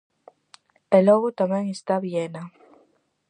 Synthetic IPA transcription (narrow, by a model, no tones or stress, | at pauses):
eloɣot̪amẽŋest̪aβjena